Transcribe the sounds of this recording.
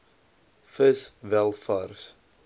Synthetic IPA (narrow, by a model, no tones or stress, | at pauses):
fəsvælˠfɐrs